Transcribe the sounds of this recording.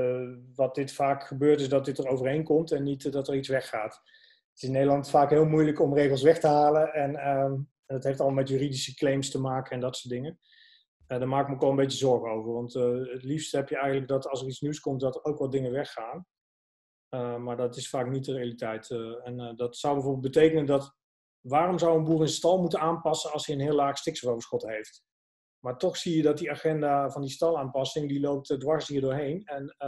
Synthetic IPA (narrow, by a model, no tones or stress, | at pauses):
ʋɑt̚d̥ɪtfaːkχəbøːɹtɪsdɑt̚dɪtərowvərɦejnkɔmtɛnːitdɑtəritsʋɛχːaːt | ətɪsɪnːejdəlɑntfaːkɦɪːlˠmujləkɔmrejχəlˠsʋɛχtəɦaːləɛnə | ndɑtɦeftɑlˠmɑmɛtjyːridisəklejmstəmaːkəɛndɑtsoːdɪŋə | daːɹmaːkɪk̚məkʋoləmbejt͡ʃəzɔɹχəowvəɹʋɑntətlifstəhɛpjəɛjxənləɡ̚dɑtɑlˠsəritsniwskɔmt̚dɑtəɹowkʋɑtdɪŋəʋɛχːaːn | əmaːɹdɑtɪsfaːknit̚dərejalitɛjtɛndɑtsʌwbɛjvoɹbɪlˠbətejkənəndɑt | ʋaːrɔmzawənbuːrənstɑlˠmutənaːnpɑsənɑlˠsiənɦɪːlaːχstɪksəvowvəɹsχɔtɦejft | maːɹtɔχsijədɑt̚diaːχɛndavɑndistɑlˠaːnpɑsɪŋdilowp̚tdʋɑɹsɦiːɹdʊːɹɦejnɛn